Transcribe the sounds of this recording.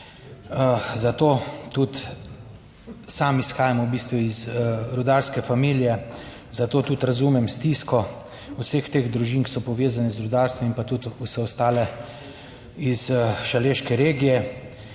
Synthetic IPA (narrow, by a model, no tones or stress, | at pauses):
zat̪oːt̪ut̪ | samisxaːjamwbiːst̪ʋuizɾud̪aːɾskɛfamiːlijɛ | zat̪oːt̪ut̪ɾazumɛmst̪iːskɔ | usext̪eːɣd̪ɾuʒiːŋkisɔpɔʋeːzanɛzɾud̪aːɾst̪ʋɔmimpat̪ut̪usɛɔst̪aːlɛ | izʃaleːʃkɛɾeːɡijɛ